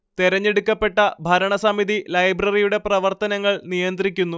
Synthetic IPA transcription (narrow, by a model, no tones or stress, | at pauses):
t̪iɾɐɲːeɽukʲːɐpːe̞ʈːɐbʱɐɾɐɳɐsɐmiðilɐjbrɐrijuɽe̞prɐʋɐrt̪ɐnɐŋːɐɭnijɐnd̪rikʲːunːu